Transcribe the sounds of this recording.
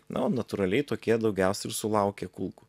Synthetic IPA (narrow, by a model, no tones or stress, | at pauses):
nʔɐ̰oːnɐt̪ʊɾɐlʲɛɪt̪oːkʲiɛd̪ɒʊɡʲɛʊsʲɛɪɾsʊlˠɑʊkʲeːkulˠku